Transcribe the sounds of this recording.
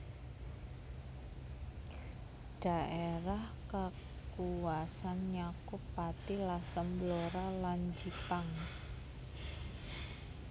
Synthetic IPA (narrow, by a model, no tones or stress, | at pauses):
ɖ̥a̤ʔeɾahka | kuwasanɲakʊpːat̪ilasəmbloɾaland͡ʒipaŋ